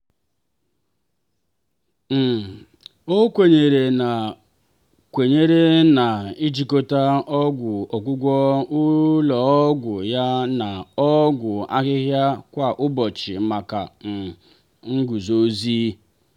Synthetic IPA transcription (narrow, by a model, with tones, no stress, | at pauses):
m̩˨ | o˦kʷe˨ɲe˨ɾe˨na˨ | kʷe˨ɲe˦ɾe˦na˨i˦d͡ʒi˨ko˦ta˦ɔ˦ɡʷʊ˨ɔ˨kʷʊ˦ɡʷɔ˦ʊ˦lɔ˨ɔ˦ɡʷʊ˨ja˦na˨ɔ˦ɡʷʊ˨a̰˦ɣɪ˦ɣja˦kʷa˨ʔʊ˦bɔ˨t͡ʃɪ˨ma˨ka̰˨m̩˨ | ŋ̩˦ɡu˨zo˦ziː˦